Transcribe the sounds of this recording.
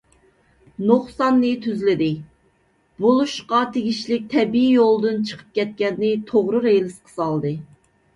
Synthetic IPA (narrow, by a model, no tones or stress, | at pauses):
noχsɑnːɨt̪ʰyzlɪd̪ɪ | bolˠuʃqɑt̪ʰeɡʲiʃlɪk̚ʲt̪ʰɛbiijolˠd̪ɨnt͡ʃʰə̥qʰə̥p̚kʲɛt̪̚kʲɛnːɪt̪ʰoʁɾɨɾelɪsqʰə̥sɑlˠd̪ɨ